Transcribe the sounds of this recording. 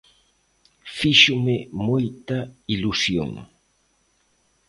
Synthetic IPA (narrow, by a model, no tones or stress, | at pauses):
fiʃumemojt̪ɐilusjo̰ŋ